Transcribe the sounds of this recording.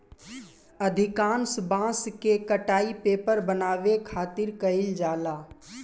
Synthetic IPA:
əd̪ʱɪkaːnsbãːskekəʈaːipeːpəɾbənaːʋekʰaːt̪ɪɾkɐɪld͡ʒaːlaː

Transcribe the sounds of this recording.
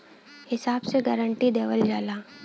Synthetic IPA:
hɪsaːbseɡəɾəɳʈid̪eːʋəld͡ʒaːlaː

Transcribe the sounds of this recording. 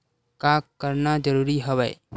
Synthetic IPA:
kakəɾnad͡ʒəɾuːɾiɦəwɛː

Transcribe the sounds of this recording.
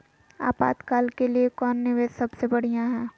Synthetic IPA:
a̰ːpa̰ːd̪kaːlkeliekɔːnːɪʋeːzsɐbsebɐɽ̤ijãɦɛ̃ː

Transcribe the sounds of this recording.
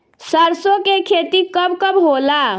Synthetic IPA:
səɾsokekʰet̪ikəbkəbɦola

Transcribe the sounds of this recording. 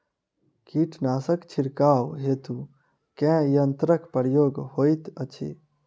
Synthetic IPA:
kiːʈʰnaːsəkt͡ʃʰiɾkaːwɦeːt̪u | kɛ̃jənt̪ɾəkpəɾjoːɡhoːjt̪ət͡ʃʰḛ

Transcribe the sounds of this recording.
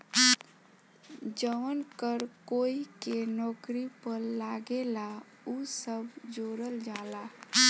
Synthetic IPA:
d͡ʒəʋənkəɾkoːikenɔːkɾipəɾlaɡela | usəbd͡ʒoɾəld͡ʒala

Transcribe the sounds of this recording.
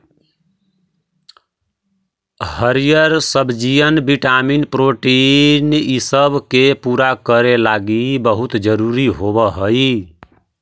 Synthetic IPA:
həɾijəɾsəbʱd͡ʒijənbiʈaminpɾoʈinisəbkepuɾakəɾelaɡibəɦut̪d͡ʒəɾuɾiɦobəɦəj

